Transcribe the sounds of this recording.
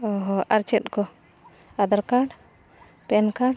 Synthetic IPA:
ɔɦɔʔaɾt͡ʃɛt̪̚kɔ | ad̪aɾkaɽ | pɛnkaɽ

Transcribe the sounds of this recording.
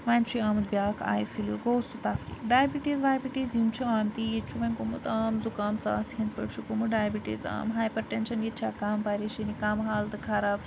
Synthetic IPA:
ʋant͡ʃiaːmɨd̪̚bʲjaːkʰa̰ːjfiluɡowsut̪aːfɾ̰ḭɖaːjbiʈizʋaːjbiʈizjimt͡ʃʰuaːmt̪ijet͡ʃʰuʋɐnʲkomut̪aːmzukaːmt͡sa̰sɐnt̪̚pɐɽʃukomuɖaːjbiʈḭːza̰ːmɦaːjpəɾʈenʃɐnjet̪t͡ʃʰaːkaːmpaɾiʃinikaːmɦaːld̪ɐkʰaːɾaːb

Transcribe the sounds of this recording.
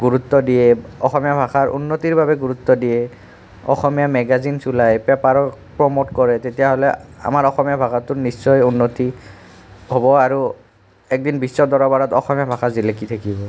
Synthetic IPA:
ɡuɹut̪ːɔdijɛɔxɔmijabʱaxaɹʔṵnːotiɹbʱabɛɡuɹut̪ːɔdijɛ | ɔ̰xɔmijamɛɡazinsulajpɛpaɹɔkpɹɔmotkɔɹɛtetijaɦɔlɛa̰maɹɔxɔmijabʱakatʊɹnisːɔjunːoti | ɦɔbɔaɹu | ɛk̚dinbisːɔdɔɹɔbaɹɔtɔ̰xɔmijabʱaxazilekit̪ʰakibɔ

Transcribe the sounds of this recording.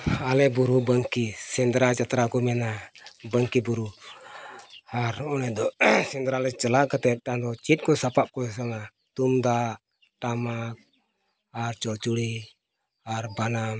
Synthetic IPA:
alɛbuɾubəŋkisɛnd̪ɾat͡ʃat̪ɾakɔmɛnabəŋkibuɾu | haɾɔnɛdɔsɛnd̪ɾalɛt͡ʃəlaʔkət̪ɛt̪ant̪ɔt͡ʃit̪̚kɔsapap̚kɔsaŋa | t̪und̪aʔ | tamak̚ | art͡ʃɔt͡ʃuli | arbanam

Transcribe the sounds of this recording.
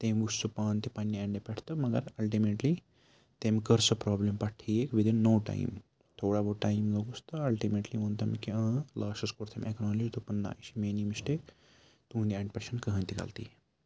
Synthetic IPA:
t̪eːmʲʋussupaːnt̪ipɐnːieɳɖepeʈʰt̪ɐmɐɡɐɾɐlʈimeːʈli | t̪emkɐɾsɐpɾɔːblempɐʈʰiekʋid̪inːoːʈa̰ḭm | t̪ʰoːɽaboʈaːjimloɡust̪ɐɐlʈimeʈliʋɐ̃nt̪ɐmikiãːlaːʃɐskoɾt̪ʰemʲeknɔːlizt̪upɐnːa̰ːiʃimeːnimisʈe | t̪ũːnd̪ieɳɖpʲɐɾseɳʈkɐɦə̃nt̪ikɐ̰lt̪ḭː

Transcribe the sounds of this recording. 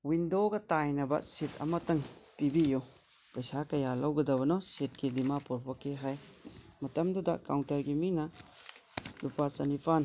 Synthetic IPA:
windoɡɐtajnɐbɐ̰sitʰɐ̰mɐtɐŋpibijo | pɐjsakɐjalɐwɡɐdɐbɐnɔset̚kidimapɔɾpʰɔkeɦajmɐtɐmdudɐ̰kawntɐɾɡiminɐ | lupat͡ʃɐnipʰan

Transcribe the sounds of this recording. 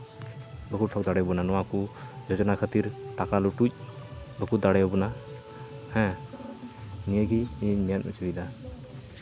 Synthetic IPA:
bəkuʈʰɔk̚d̪aɽɛjbɔnanɔwakud͡ʒɔd͡ʒɔnakʰət̪iɾʈakaluʈuc̚ˀbəkud̪aɽɛjɔbɔna | hɛ̃ | nijəɡiːɲmɛjanṵt͡ʃid̪a

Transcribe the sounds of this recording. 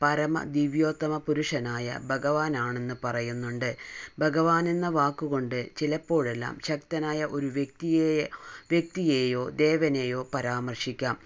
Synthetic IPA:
pɐɾɐmɐ̰d̪iʋjo̞ːt̪ːɐmɐpuɾuʂɐnaːjɐ̰bʱɐɣɐʋaːnaːɳe̞nːɨpɐrɐjunːuɳɖɨbʱɐɣɐʋaːnenːɐʋaːkːuɣo̞ɳɖɨt͡ɕilɐpːo̞ːɻe̞lːa̰ːmɕɐkt̪ɐnaːjɐʔo̞ɾuʋjek̚t̪ijeʋjek̚t̪ijeːjo̞ːd̪e̞ːʋɐne̞ːjo̞ːpɐɾaːmɐrʂikʲːaːm

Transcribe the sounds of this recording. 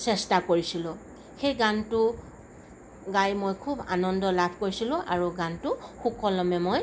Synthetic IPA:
sɛstakoɹisilʊ̃ | xejɡantʊ | ɡajmojkʰuba̰nɔndɔlabʰʱkoɹisilʊ̃ʔa̰ɹuɡantʊxukɔlɔmɛmoj

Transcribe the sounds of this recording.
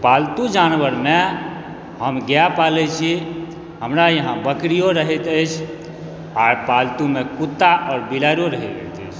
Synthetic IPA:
palt̪ud͡ʒanʋəɾme | ɦəmɡjapalɛt͡ʃʰi | ɦəmɾajəɦãbəkɾijoɾəɦət̪əjt͡ʃʰ | aɾpalt̪umekut̪ːaʔɔɾbilaɾoɾəɦɛɡə̰t̪ə̰jt͡ʃʰ

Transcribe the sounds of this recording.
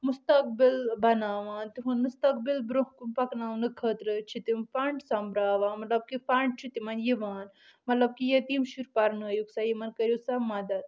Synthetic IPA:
must̪ɐk̚bilbɐnaːʋaːnt̪iɦũnmust̪ɐk̚bilbɾoɦkumpɐknaːʋnɨkʰəːt̪ɾɨt͡ʃʰit̪imfaɳʈsɐmbɾaːʋãːnmɐt̪lɐb̚kifaɳɖ̚t͡ʃʰit̪imanjiʋaːn | mɐt̪lɐb̚kijɐt̪imʃuɾpaɾnɐjuksaːjimɐnkɐɾjusamad̪ɐt̪

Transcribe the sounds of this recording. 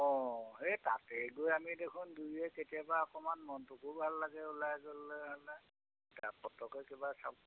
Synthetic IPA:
ɔ̃ɦetatɛɡojamidekʰʊnduɛketijabaɔkɔmanmɔntʊkʰubʱalːaɡɛulajɡɔlːɔɦalɛ | tapɔtɔkɔkebasab

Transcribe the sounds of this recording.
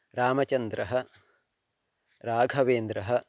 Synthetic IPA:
ɾaːmɐt͡ʃɐnd̪ɾɐɦɐ̆ | ɾaːɡʱɐʋeːnd̪ɾɐɦɐ̆

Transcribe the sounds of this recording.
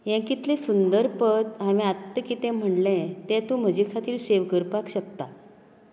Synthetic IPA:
jãŋkit̪lẽsund̪əɾpət̪ɦaʋĩat̪ːəkit̪ɛ̃m̤əɳlɛ̃t̪ɛ̃t̪ũm̤əd͡ʑikʰat̪iːɾseʋkəɾpakɕək̚t̪a

